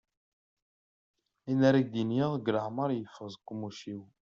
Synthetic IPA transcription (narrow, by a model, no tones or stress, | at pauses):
inæɾiɡ̚d̪injəɡləʕməɾˤjəfʁzˤkʷːumuʃiw